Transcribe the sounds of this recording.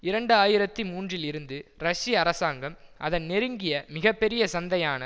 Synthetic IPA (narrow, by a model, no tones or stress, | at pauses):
ɪɾɐɳɖɯaːjɪɾɐt̪ːɯmuːndrɪlɪɾɯnd̪ɯɾɐʂiɐɾɐsaːŋɡɐmʔɐðɐnnɛɾɯŋɡɪjɐmɪɣɐpːɛɾɪjɐsɐnd̪ɐjaːnɐ